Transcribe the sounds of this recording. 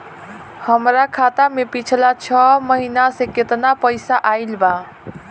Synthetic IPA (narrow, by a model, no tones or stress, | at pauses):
həmɾakʰat̪amepit͡ʃʰlat͡ʃʰʌməɦinasẽket̪napəjsaʔailba